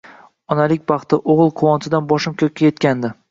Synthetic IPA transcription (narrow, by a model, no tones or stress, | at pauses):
ɒnalɪkʲbɑχt̪ɪʔoʁɨlˠqʰʊwɒnt̪ʰɪd̪anbɒʃɪmkʲʰɵkʲːaje̞t̪kʲand̪ɪ